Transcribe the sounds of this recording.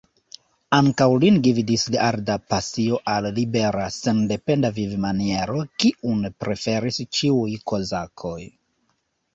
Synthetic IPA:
aŋkawlindividisliaɾdapasio̞ʔallibe̞ɾasende̞pe̞ndavivmanie̞ɾo̞kiʔunpɾe̞fe̞ɾist͡ʃiujko̞zakʰo̞j

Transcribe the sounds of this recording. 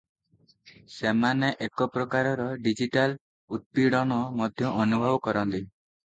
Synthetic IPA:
semaneʔekɔpɾɔkaɾɔɾɔɖid͡ʒiʈal | ut̪̚piɽɔɽ̃ɔmɔd̪ʱjɔʔːnubʱɔbɔkɔɾɔnt̪i

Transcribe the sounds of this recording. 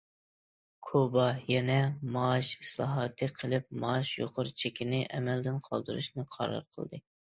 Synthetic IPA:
kʰobɑjɛnɛmɑːʃi̥slˠɑ̰ɦɑːt̪ʰɨqʰəlˠɪp̚mɑʃjo̰qʰʊɾt͡ʃʰekʲɪnɪʔɛmɛld̪ɪnqʰɑ̰lˠd̪uɾṵʃnɨqʰɑ̰ɾɑ̰ɾqʰə̰lˠd̪ɨ

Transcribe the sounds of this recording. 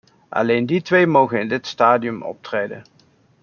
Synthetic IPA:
ʔɑ̰lejnditʋejmowχənɪndɪtstaːdiɵmɔ̰p̚trejdə̰n

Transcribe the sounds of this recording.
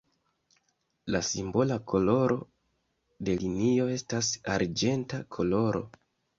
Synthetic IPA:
lasimbo̞lakʰo̞lo̞ɾo̞ | de̞linio̞e̞stasaɾd͡ʒe̞ntakʰo̞lo̞ɾo̞̰

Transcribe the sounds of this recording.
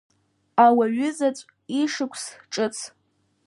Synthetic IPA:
awaɥʊzat͡sʷʼ | iʂɨkʷʰsʈ͡ʂʼɨt͡sʰ

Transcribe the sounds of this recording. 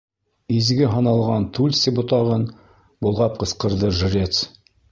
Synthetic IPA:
izɡɘɦɑnɑlˠʁɑnt̪ulʲsʲibŏt̪ɑʁɤn | bolˠʁɑp̚qɤ̆sqɤ̆ɾðɤʒ̆ɾʲet̪s

